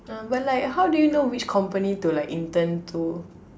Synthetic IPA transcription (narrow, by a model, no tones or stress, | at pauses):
ãbat̚laɪkɦawdujunowit͡ʃkʰɔ̃mpənitulaɪkĩntə̃ntʰu